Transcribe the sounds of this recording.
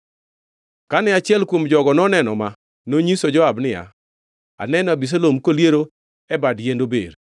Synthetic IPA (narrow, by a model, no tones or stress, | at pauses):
kanɛat͡ʃɪɛlkwomd͡ʒɔɡɔnɔnɛnɔma | noɲisod͡ʒɔabnɪja̰ | a̰nɛnɔabis̬alomkoljeɾo | ɛbadjendobḛɾ